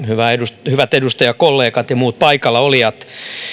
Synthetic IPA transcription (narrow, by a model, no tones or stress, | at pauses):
hyʋæedusthyʋæt̪edust̪ɑjɑkkolːeːkɑt̪jɑmuːt̪̚pɑikɑlːɑolijɑt̪